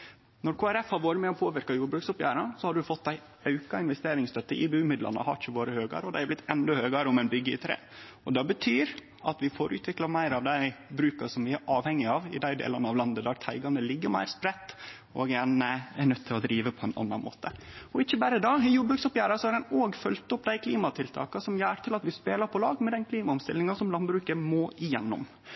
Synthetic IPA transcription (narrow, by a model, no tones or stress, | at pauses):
nɔɾkʰoːæɾɛfhɑɾʋoːɾəmɛɔpʰoːʋɪɾkɑjuːɖbɾʉːksʊpjæ̰ːɾɑsɔhɑɖʉfɔt̪̚d̪æɪ | ɑʉkɑɪnʋɛst̪eːɾɪŋst̪ʰœt̪ːəʔɪbʉːmɪd̪lʔɑ̰nə̰hɑ̰ɾɪçəʋoːɾəhøːɡɑ̰ɾəɔd̪æɪæblɪt̪ːɛnd̪ɔhøːɡɑɾəʊmɛnbʏɡːəɪt̪ʰɾḛː | ɔd̪ɑbət̪ʰyːɾ | ɑt̪ʋɪfoɾʔʉ̰ːt̪ʋɪklɑmæɪɾɑʋd̪æɪbɾʉːkɑsɔmyːəʔɑːʋhɛŋːɪɑʋɪ̰d̪æɪd̪ḛːlənəɑʋlɑnd̪əd̪æɾt̪ʰæɪɡɑnd̪əlɪɡːəmæ̰ɪɾspɾɛt̪ː | ɔɡɛnəɛnœt̪ʰːɪlɔd̪ɾiːʋəpʰɔɛnʔɑ̰nːɑnmʔo̰ːt̪əɔɪçːəbæɾəd̪ɑːɪjuːbʉksʊpjæːɾɑsɔɑɾɛnoːɡfœlt̪ʊpːd̪æɪkʰliːmɑt̪ʰɪlt̪ʰɑ̰ːkɑsɔmjæːɾt̪ʰɪlɑt̪ʋɪspeːlɑɾpʰɔlɑːɡmɛd̪ɛnkʰliːmɑʊmst̪ɪlːɪŋɑsɔmlɑnbɾʉːkəmɔʔɪjɛnːʊ̰m